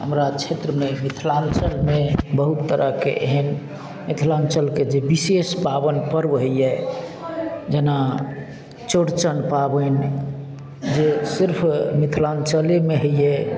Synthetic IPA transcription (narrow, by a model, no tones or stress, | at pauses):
ɦəmɾat͡ʃʰet̪ɾəmemit̪ʰlant͡ʃəlmebəɦut̪ːəɾəkḛʔeɦən | mit̪ʰlant͡ʃəlked͡ʒebisespabənpəɾbɦəijɛ | d͡ʒena | t͡ʃoɽt͡ʃənpabən | d͡ʒesiɾpʰmit̪ʰlant͡ʃəlemeɦəjɛ